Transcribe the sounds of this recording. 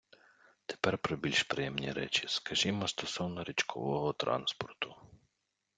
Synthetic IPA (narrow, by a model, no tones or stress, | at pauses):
t̪e̥pɛrpɾɔbʲilʲʃpɾɪjɛmnʲḭɾɛ̰t͡ʃiskɐʒimɔst̪ɔsɔwnɔɾʲit͡ʃkʰɔ̰ʋɔɦɔt̪ɾɑ̰nspɔrt̪ʊ